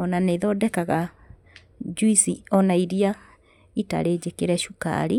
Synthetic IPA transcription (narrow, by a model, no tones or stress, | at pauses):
ɔnaneðɔdɛkaɣa | d͡ʒuisiɔnaiɾia | ita̰ɾeːd͡ʑekeɾɛʃuka̰ɾi